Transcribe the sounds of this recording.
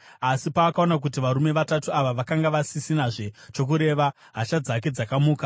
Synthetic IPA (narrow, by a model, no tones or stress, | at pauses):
asipaːkao̞nak̬utiʋaɾume̞ʋatatuaʋaʋakaŋɡaʋasisinaʐe̞t͡ʃo̞k̬uɾe̞ʋa | ɦat͡ʃad͡zak̬e̞d͡zakamuːka